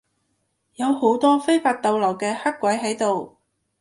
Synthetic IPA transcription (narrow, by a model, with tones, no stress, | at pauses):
jɐ˨˧who˨˥wt̪ɔː˥fe˥jfaː˨˧t̚t̪ɐ˧wlɐː˨˩wkɛː˧hɐ˥kʷːwɐ˨˥jɦɐ˨˥jt̪o˨w